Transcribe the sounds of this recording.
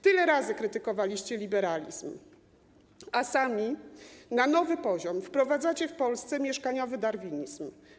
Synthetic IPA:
t̪ɘlɛɾazɘkɾɘt̪ɘkɔvalʲiɕt͡ɕɛlʲibɛɾalʲḭzm | asamʲinanɔvɘpɔʑɔmfpɾɔvad̪zat͡ɕɛfpɔlst̪sɛmʲjɛʂkaɲɔvɘd̪aɾvʲiɲizm

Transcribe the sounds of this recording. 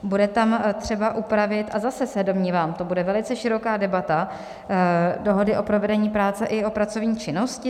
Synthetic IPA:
budɛt̪amt̪r̝̥ɛbaʔupɾavɪt̪ʔazasɛsɛdo̞mɲiːvaːmt̪o̞budɛvɛlɪt͡sɛʃɪɾo̞kaːdɛbat̪a | do̞ɦo̞dɪʔo̞pɾo̞vɛdɛɲiːpɾaːt͡sɛʔɪo̞pɾat͡so̞vɲiːt͡ʃɪno̞scɪ

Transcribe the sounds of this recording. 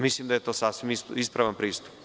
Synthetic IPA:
mislimd̪ajet̪oːsasʋimisispɾaʋanpɾiːst̪u̥p

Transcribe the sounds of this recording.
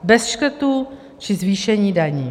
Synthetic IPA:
bɛsʃkɾ̩t̪u | t͡ʃɪzviːʃɛɲiːdaɲiː

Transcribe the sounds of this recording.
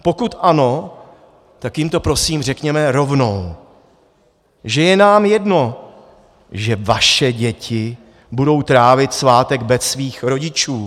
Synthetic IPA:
po̞kut̪ʔano̞ | t̪akjɪmt̪o̞pɾo̞siːmrɛkɲɛmɛɾo̞vno̞w | ʒɛjɛnaːmjɛdno̞ | ʒɛvaʃɛɟɛcɪ | budo̞wt̪ɾaːvɪt̪svaːt̪ɛɡbɛsviːxɾo̞ɟɪt͡ʃuː

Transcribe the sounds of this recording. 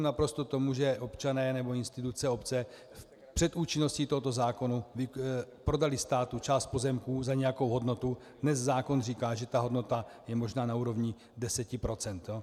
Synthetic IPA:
napɾo̞st̪o̞t̪o̞muʒɛʔo̞pt͡ʃanɛːnɛbo̞ɪnst̪ɪt̪ut͡sɛo̞pt͡sɛ | pr̝̥ɛt̪ʔuːt͡ʃɪno̞sciːt̪oɦot̪o̞zaːko̞nuvɪpɾo̞dalɪst̪aːt̪ut͡ʃaːst̪̚po̞zɛmkuːzaɲɛjako̞wɦo̞dno̞t̪u | dnɛzzaːko̞nriːkaːʒɛt̪aɦo̞dno̞t̪ajɛmo̞ʒnaːnauːɾo̞vɲɪ | dɛsɛcɪpɾo̞t͡sɛnt̪jo

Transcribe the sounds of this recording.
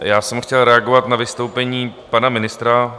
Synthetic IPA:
jaːsɛmxcɛlɾɛaɡovat̪navɪst̪o̞wpɛɲiːpanamɪnɪst̪ɾa

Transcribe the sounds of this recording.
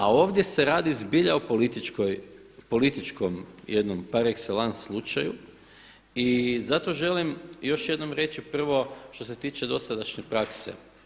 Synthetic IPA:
ao̞ːʋd̪je̞se̞ɾaːd̪izbiʎaopolit̪it͡ʃkoj | polit̪it͡ʃkomjed̪nompaɾekselanslˠut͡ʃaju | izat̪o̞ʒe̞limjo̞ʃje̞d̪no̞mɾe̞t͡ʃipr̩ʋo̞ʃt̪o̞s̬e̞t̪iːt͡ʃed̪o̞sad̪aʃɲepɾaksḛ

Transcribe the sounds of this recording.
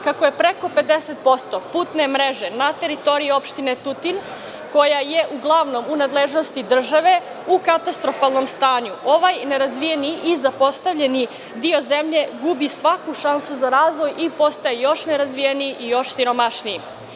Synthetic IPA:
kako̞je̞pɾe̞ko̞pe̞d̪eset̪̚po̞st̪o̞puːt̪ne̞mɾeʒe̞nat̪e̞ɾit̪o̞ɾiio̞pʃt̪ine̞t̪ut̪in | ko̞jaje̞ʔuɡlˠaʋno̞munad̪leʒno̞st̪id̪r̩ʒaʋe̞ | ukat̪ast̪ɾo̞falˠno̞mst̪aːɲuo̞ʋajne̞ɾazʋijeniʔizapo̞st̪aʋʎeni | d̪io̞ze̞mʎe̞ɡubisʋakuʃansuzaɾaːzʋo̞jipo̞st̪ajejo̞ʃne̞ɾazʋijeniiʔijo̞ʃsiɾo̞maʃnii

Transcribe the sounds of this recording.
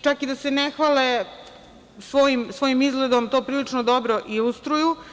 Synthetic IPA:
t͡ʃakid̪asenexʋale | sʋoːjimsʋo̞ːjimizɡled̪omt̪oːpɾiːlit͡ʂnod̪obɾo̞ʔiust̪ɾuju

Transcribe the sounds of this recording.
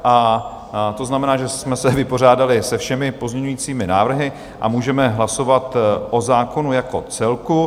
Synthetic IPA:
ʔa | t̪o̞znamɛnaːʒɛsmɛsɛvɪpo̞r̝aːdalɪsɛfʃɛmɪpo̞zmɲɛɲujiːt͡siːmɪnaːvr̩ɦɪ | ʔa̰muːʒɛmɛɦlaso̞vat̪ʔo̞zaːko̞nujako̞̰t͡sɛlku

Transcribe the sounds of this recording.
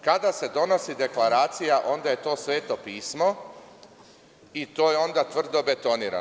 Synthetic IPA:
kad̪ase̞d̪o̞no̞sid̪e̞klˠaɾaːt̪sijaʔo̞nd̪aje̞t̪o̞ːsʋe̞ːt̪o̞piːsmo̞ | it̪o̞ːjeo̞nd̪at̪ʋr̩d̪o̞be̞t̪oniːɾa̰

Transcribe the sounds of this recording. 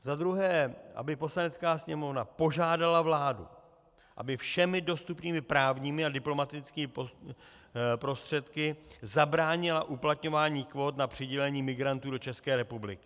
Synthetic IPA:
zad̪ɾuɦɛːʔa̰bɪpo̞slanɛt͡skaːsɲɛmo̞vnapo̞ʒaːdalavlaːdṵ | ʔa̰bɪfʃɛmɪdo̞st̪upniːmɪpɾaːvɲiːmɪadɪplo̞mat̪ɪt͡skiːm | pɾo̞st̪r̥ɛt̪kɪzabɾaːɲɪlaʔuplat̪ɲo̞vaːɲiːkvo̞ːt̪napr̥ɪɟɛlɛɲiːmɪɡɾant̪uːdo̞t͡ʃɛskɛːɾɛpublɪkɪ̥

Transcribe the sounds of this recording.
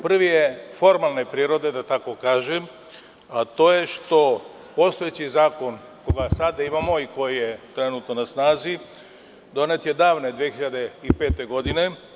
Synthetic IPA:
pr̩ʋijefo̞ɾmalˠnepɾiːɾo̞d̪e̞d̪at̪ako̞kaːʒem | at̪o̞ːje̞ʃt̪o̞ | po̞st̪o̞jet͡ɕizaːko̞n | koɡasad̪aimamo̞iko̞jijet̪ɾe̞nut̪nonasnaːzi | d̪o̞ne̞t̪jed̪aːʋne̞d̪ʋijexiʎad̪e̞ipe̞ːt̪e̞ɡo̞d̪ine̞

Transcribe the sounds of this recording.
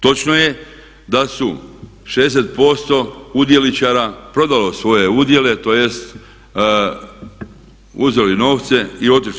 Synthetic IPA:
t̪o̞t͡ʃno̞je̞ | d̪asu | ʃed̪eset̪̚po̞st̪o̞ud̪je̞lit͡ʃaɾapɾo̞d̪alo̞sʋo̞je̞ud̪je̞le̞t̪o̞je̞st̪ | uzelino̞ːʋt̪se̞io̞t̪iʃ

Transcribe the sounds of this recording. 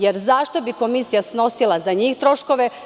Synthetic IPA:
jeɾzaʃt̪o̞biko̞misijasno̞silazaɲiːxt̪ɾo̞ʃko̞ʋe

